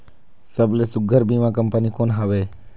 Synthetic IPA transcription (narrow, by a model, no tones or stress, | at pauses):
səbleːsʊɡʱəɾbiːʋãːkəmpənikoːnɦaʋeː